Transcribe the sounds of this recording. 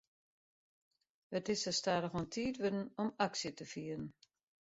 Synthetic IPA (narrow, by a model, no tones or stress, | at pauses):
ətɪsəstaːɾəxontʰiːtʋødn̩ɔmaksjətəfiəɾn̩